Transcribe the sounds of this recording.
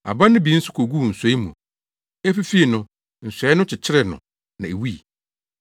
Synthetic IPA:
a̰˨bã˦nʊ̃˦bi˨˦n̩˦sʊ˦kʰo˨ɡu˦˨n̩˨sɛ˨˦i˦mũ˨ | e˦fi˦fi˦e˨nʊ̃˦ | n̩˨sɛ˨˦nʊ̃˦t͡ɕʰɪ˨t͡ɕʰɪ˦ɾɛ˨nʊ̰̃˨ | nã˨e˨wu˦i˨

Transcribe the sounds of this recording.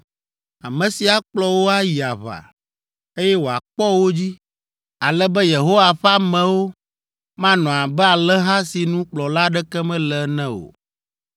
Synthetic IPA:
a˨mɛ̃˨si˨a˨k͡plɔ˨wo˦a˦ji˨a˨βa̰˨ | e˦jɛ˦wo˨a̰˨k͡pɔ˦wo˦d͡ʑi˦ | a˨lɛ˦bɛ˦je˨ɦo˦wa˨ɸa˦mɛ̃˨wo˦ | mã˦nɔ̃˨a˨bɛ˦a˨lɛ˦ɦã˦si˨nũ˦k͡plɔ˨la˦ɖɛ˦kɛ˦mɛ̃˦lɛ˨˦nɛ̃˦o̰˨

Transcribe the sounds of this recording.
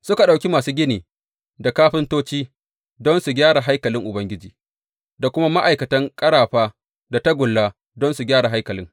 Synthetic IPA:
sʊ˦ka˨ɗa˨wkʲi˦maː˨suː˦ɡʲɪ˦niː˨ | da˨kaː˦ɸɪ˦ntoː˦t͡ʃiː˦ | dɔ˦nsu˨ɡʲaː˦ɽa˨ɦa˦jkɐ˨lɪ˦ŋʔʊ˨bɐ˦ŋɡʲɪ˦d͡ʒiː˨ | da˨kʷʊ˦ma˦ma˦ʔa˨jkɐ˨tɐ˦ŋkʼɐ˦ɽaː˨ɸaː˦ | da˨ta˦ɡʷʊ˨lːaː˦ | dɔ˦nsu˨ɡʲaː˦ɽa˨ɦa˦jkɐ˨lɪ̰˦ŋ

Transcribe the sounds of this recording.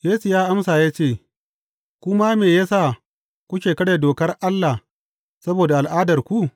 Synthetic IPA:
jeː˦su˨jaː˦ʔa˦msaː˨jaː˦t͡ʃeː˦˨ | kʷʊ˦ma˦meː˨jaː˦saː˦˨ | kʷu˦kʲeː˨kɐ˦ɽe˨doː˨kɐ˦rʔa˦lːa˨h | sɐ˦boː˨da˨ʔa˨lʔaː˦dɐ˨rkʷu˦

